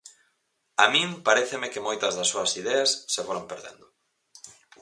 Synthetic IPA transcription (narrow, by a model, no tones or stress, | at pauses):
amĩŋpaɾɛθemekɪmojt̪ɐzðɐsːoɐsiðɛɐsːefoɾampeɾðḛnd̪ʊ